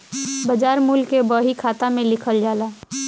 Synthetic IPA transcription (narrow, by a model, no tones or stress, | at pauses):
bəd͡ʒaːɾmuːlkebɔːɦikʰaːt̪amẽlɪkʰəld͡ʒaːlaː